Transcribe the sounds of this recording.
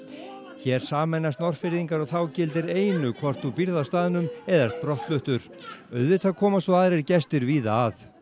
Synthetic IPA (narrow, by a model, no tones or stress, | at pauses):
çɛːɾ̥saːmɛnːast̪nɔr̥fɪɾðiŋkaɾɔɣθawcɪlt̪̬ɪɾeːjnʏkʰvɔr̥t̪θupiɾðawst̪aːðɪnʏmɛðast̪̚pɾɔht̪lʏht̪ʏɾ̥ | œɥðvɪt̪ʰakʰɔːmasvɔaːðɾɛɾcɛst̪ɪɾviːðaað